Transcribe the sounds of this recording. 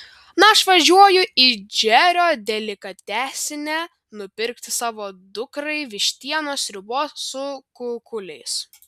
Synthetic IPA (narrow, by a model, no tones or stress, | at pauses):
nɐɐʃʋɐʒʲuɔjʊʔid͡ʒʲɛɾʲoːd̪ʲɛlʲɪkɐt̪ʲæːsʲɪnʲɛ | nʊpʲɪɾʲkt̪ʲɪsɑːʋoːd̪ʊkɾɐɪʋʲɪʃʲt̪ʲiɛnoːsɾʲɪboːssʊkʊkʊlʲɛɪs